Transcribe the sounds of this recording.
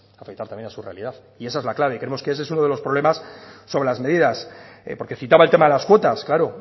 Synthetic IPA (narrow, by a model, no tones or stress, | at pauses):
afekt̪aɾt̪amjenasure̞alið̞aθ | ie̞saezlaklaβe̞kɾemoskees̬es̬uno̞ðe̞lo̞spɾo̞βle̞masːo̞βɾelazme̞ðiðaspo̞ɾke̞θit̪aβaelt̪emaðelaskwo̞t̪asklaɾo